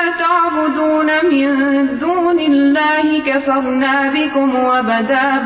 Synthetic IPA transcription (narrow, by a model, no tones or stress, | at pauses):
t̪aʕbʊd̪uːnamɪnd̪uːnɪlːaːhɪkafɑɾˤnaːbɪkʊmwabad̪aː